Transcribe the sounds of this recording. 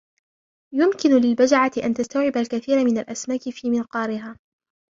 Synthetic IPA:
jʊmkɪnʊlɪlbad͡ʒaʕat̪ɪʔa̰nt̪ast̪awʕɪbalkaθiːɾmɪnalʔasmaːkɪfiːmɪnqɑːɾɪɦaː

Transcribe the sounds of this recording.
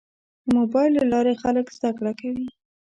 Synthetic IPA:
d̪əmobɑjlːalɑɾexaləkz̥d̪akɽakawi

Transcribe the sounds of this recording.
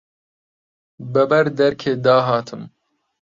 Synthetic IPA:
bɐbɐɾd̪ɛɾkʰeːd̪ɑːɦɑːt̪ʰɨm

